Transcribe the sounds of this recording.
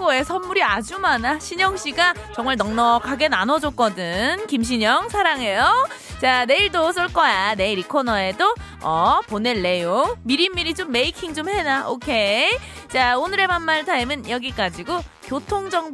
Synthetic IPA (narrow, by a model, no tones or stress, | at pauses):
koesʰʌnmuɾiad͡ʑumanaɕʰiɲʌŋɕ͈iɡat͡ɕʌŋmaɭnʌŋnʌkʰaɡe̞nanʌd͡ʑok͈ʌdɯnkimɕ̬ʰiɲʌŋsʰaɾaŋe̞jot͡ɕane̞iɭdos͈ʰɯɭk͈ʌjane̞iɾikʰonʌe̞do | ʌpone̞ɭːe̞joŋmiɾimːiɾit͡ɕomːe̞ikʰiŋd͡ʑomhe̞naokʰe̞ | t͡ɕaonɯɾe̞manmaɭsʰaimɯnjʌɡik͈ad͡ʑiɡo | kjotʰoŋd͡ʑʌŋ